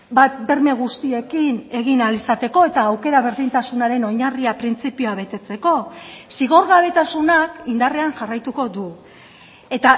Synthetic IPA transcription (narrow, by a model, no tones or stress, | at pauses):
bat̪be̞ɾme̞ɣ̞ust̪ie̞kine̞ɣinalisat̪e̞ko̞e̞t̪aːwke̞ɾaβ̞e̞ɾðint̪asunaɾe̞no̞ɲariapɾint͡sipioaβe̞t̪e̞t͡se̞ko̞siɣ̞o̞ɾɣaβ̞e̞t̪asunakind̪are̞anʝarajt̪uko̞d̪u | e̞t̪a